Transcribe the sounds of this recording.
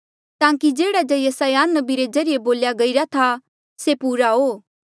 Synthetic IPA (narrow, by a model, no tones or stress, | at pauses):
t̪ãːkid͡ʒeːɽad͡ʒɐjɐsajanːəbiɾed͡ʒɐɾɪjeboːljaɡɐiɾat̪ʰa | sepuːɾaɦoː